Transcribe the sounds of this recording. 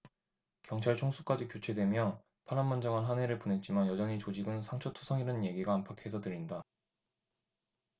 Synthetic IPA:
kjʌŋt͡ɕʰaɭt͡ɕʰoŋsʰuk͈ad͡ʑikjot͡ɕʰe̞dwe̞mjʌ | pʰaɾammand͡ʑʌŋanɦane̞ɾɯɭpone̞t̚t͡ɕ͈imanjʌd͡ʑʌɲit͡ɕod͡ʑiɡɯnsʰaŋt͡ɕʰotʰu̥sʰʌŋiɾɯnnje̞ɡiɡaːmpʰakʰeesʰʌdɯɾinda

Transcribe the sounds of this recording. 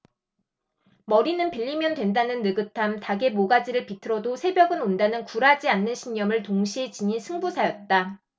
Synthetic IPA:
mʌɾinɯnpiʎːimjʌndwe̞ndanɯnːɯɡɯtʰamtaɡe̞moɡad͡ʑiɾɯɭpitʰɯɾʌdosʰe̞bjʌɡɯnondanɯnkuɾad͡ʑianːɯnɕʰiɲːʌmɯɭtoŋɕʰiet͡ɕiɲisʰɯŋbusʰajʌt̚t͈a

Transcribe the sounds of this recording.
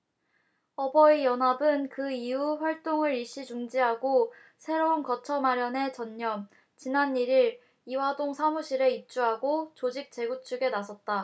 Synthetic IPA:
ʌbʌijʌnɦabɯnkɯiuɸwaɭt͈oŋɯɾiɭɕ͈id͡ʑuŋd͡ʑiɦaɡo | sʰe̞ɾounkʌt͡ɕʰʌmaɾjʌne̞t͡ɕʌɲːʌm | t͡ɕinaniɾiɾ | iwadoŋsʰamuɕʰiɾe̞ip̚t͡ɕ͈uɦaɡot͡ɕod͡ʑik̚t͡ɕ͈e̞ɡut͡ɕ͈ʰuɡe̞nasʰʌt̚t͈a

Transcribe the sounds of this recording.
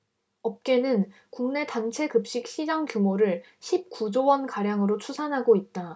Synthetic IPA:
ʌp̚k͈e̞nɯn | kuŋne̞tant͡ɕʰe̞kɯp̚ɕ͈ik̚ɕ͈id͡ʑaŋkjumoɾɯɭ | ɕʰip̚k͈ud͡ʑowʌnkaɾjaŋɯɾot͡ɕʰusʰanɦaɡoit̚t͈a

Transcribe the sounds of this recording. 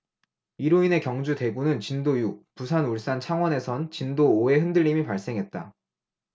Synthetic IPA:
iɾoine̞kjʌŋd͡ʑute̞ɡunɯnt͡ɕindojupusʰanuɭs͈ant͡ɕʰaŋwʌne̞sʰʌnt͡ɕindooe̞ɦɯndɯʎːimipaɭs͈e̞ŋɦe̞t̚t͈a̰

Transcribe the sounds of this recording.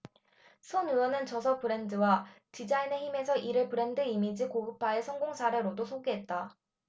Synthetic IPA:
sʰonɯwʌnɯnt͡ɕʌsʰʌpɯɾe̞ndɯwatid͡ʑaine̞çime̞sʰʌʔiɾɯɭpɯɾe̞ndɯimid͡ʑikoɡɯpʰaesʰʌŋɡoŋsʰaɾe̞ɾodosʰoɡeɦe̞t̚t͈a

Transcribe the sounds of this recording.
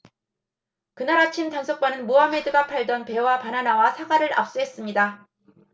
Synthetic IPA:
kɯnaɾat͡ɕʰimtaŋsʰok͈̚wanɯnmuame̞dɯɡapʰaɭdʌnpe̞wapananawasʰaɡaɾɯɾa̰p̚s͈uɦe̞s͈ɯmɲida

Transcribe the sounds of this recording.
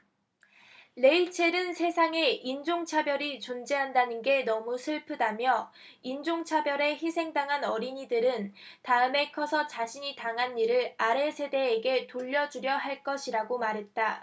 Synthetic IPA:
le̞it͡ɕʰe̞ɾɯnsʰe̞sʰaŋe̞ind͡ʑoŋt͡ɕʰabjʌɾit͡ɕond͡ʑe̞ɦandanɯnɡe̞nʌmusʰɯɭpʰɯdamjʌind͡ʑoŋt͡ɕʰabjʌɾe̞çisʰe̞ŋdaŋɦanʌɾiɲidɯɾɯntaɯme̞kʰʌsʰʌt͡ɕaɕʰiɲitaŋɦanːiɾɯɭaɾe̞sʰe̞de̞ːɡe̞toʎːʌd͡ʑuɾjʌɦaɭk͈ʌɕʰiɾaɡomaɾɦe̞t̚t͈a

